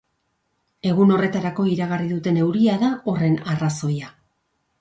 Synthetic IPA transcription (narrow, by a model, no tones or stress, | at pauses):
e̞ɣuno̞re̞t̪aɾako̞iɾaɣariðut̪e̞ne̞wɾiaðao̞re̞naraso̞ja